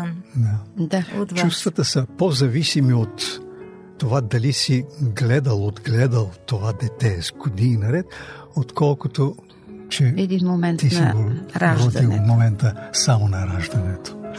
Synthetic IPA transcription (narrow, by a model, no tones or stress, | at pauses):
d̪ad̪aot͡ʃust̪vɐt̪əsəpozɐvisimiot̪ː | ovad̪ɐlisiɡlɛd̪əlˠod̪ɡlɛd̪əlˠt̪ovad̪ɛt̪ɛzɡod̪ininɐɾɛt̪ot̪kɔlˠkot̪o | t͡ʃɛɛd̪inmomɛnt̪isivoaʒvɔd̪imomɛnt̪əsamonɐɾaʒd̪ɐnɛt̪o̥